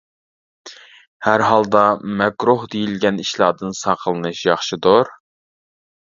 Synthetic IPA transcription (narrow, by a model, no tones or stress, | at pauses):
hæɾɦɑlˠd̪ɑmɛkɾuɦd̪ejilɡʲɛniʃlˠɑːd̪ɨnsɑqʰəlˠɨnɨʃjɑχʃɨd̪ʊɾ